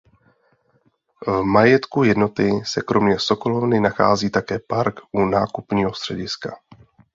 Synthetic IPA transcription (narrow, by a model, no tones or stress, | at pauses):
vmajɛt̪kujɛdno̞t̪ɪsɛkɾo̞mɲɛso̞ko̞lo̞vnɪnaxa̰ːziːt̪akɛːpaɾkʔunaːkupɲiːɦo̞st̪r̥ɛɟɪska